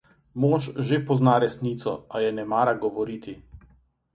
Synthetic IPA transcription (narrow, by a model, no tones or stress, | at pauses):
mɔːʃʒepɔznaɾɛsniːt̪sɔ̰ajɛnɛmaːɾaɡɔʋɔɾiːt̪ʰi